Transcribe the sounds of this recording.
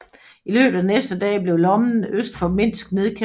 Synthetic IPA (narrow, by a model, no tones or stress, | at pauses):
ilø̰ːb̥ð̩ˠænesd̥əd̥ɛ̰ːb̥le̝ʊlɒ̽mn̩øsd̥fɒ̽me̝n̰sɡ̥ne̝ðˠkʰe